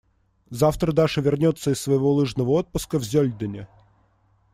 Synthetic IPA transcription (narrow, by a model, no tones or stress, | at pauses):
zaft̪ɾəd̪aʐɨvʲɪrnʲo̞t̪sːəɪsːvəjɪvolˠɨʐnəvəot̪̚pʊskəvzʲɵlʲd̪ənʲɪ